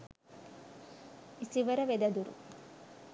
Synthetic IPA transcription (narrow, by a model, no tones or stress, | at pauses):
isiʋɐɾɐʋed̪ɐd̪uɾṵ